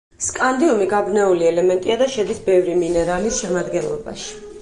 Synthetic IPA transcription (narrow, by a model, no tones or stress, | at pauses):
skʼand̪iumiɡabnɛuliɛlɛmɛnt̪ʼiad̪aʃɛd̪isbɛvɾiminɛɾalisʃɛmad̪ɡɛnlˠɔ̰ba̰ʃi̥